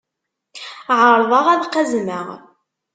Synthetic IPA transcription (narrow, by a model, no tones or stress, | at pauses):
ʕəɾˤðˤɑʁæðqːəzməʁ